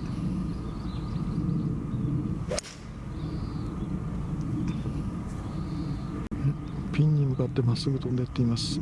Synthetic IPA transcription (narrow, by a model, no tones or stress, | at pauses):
pʲĩɲ̟ːimɯ̟kat̪ːe̞masɨɡɯt̪oond̪ejat̪ːe̞imasɨ̥